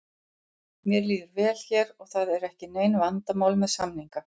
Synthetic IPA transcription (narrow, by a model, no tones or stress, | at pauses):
mjɛɾliːðʏɾvɛːlçɛɾɔɣθaðɛɾɛhcɪneːjnvant̪amaːwlmɛðsamniŋka